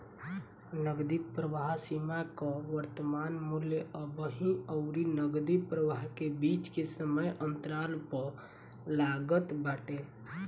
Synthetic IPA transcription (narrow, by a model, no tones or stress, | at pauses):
nəɡd̪ipɾəʋaɦsimakaʋəɾt̪əmaːnmuljəʔəbəɦĩɔʊɾinəɡd̪ipɾəʋaɦkebiːt͡ʃkesəməjʔə̃nt̪ɾaːlpəɾ | laːɡət̪baːʈe